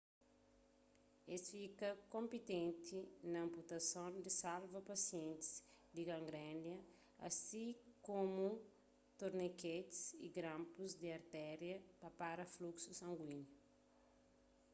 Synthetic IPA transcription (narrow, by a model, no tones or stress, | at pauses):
esfikɐkõmpit̪ẽnt̪ʰinɐɐ̃mput̪ɐsõnd̪isalvɐpɐsiẽnt̪i̥sd̪iɡɐ̃ŋɡɾɛ̃ndjɐ | ɐ̰sĩkõmu | t̪oɾneket̪i̥sḭɡɾãmpuzd̪iɐɾt̪ɛɾjɐpɐpaɾɐfluksusɐ̃ŋɡwinu